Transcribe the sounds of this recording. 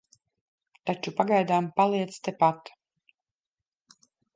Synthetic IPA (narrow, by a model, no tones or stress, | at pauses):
t̪at͡ʃupaɡajd̪aːmpalˠiɛt̪st̪epat̪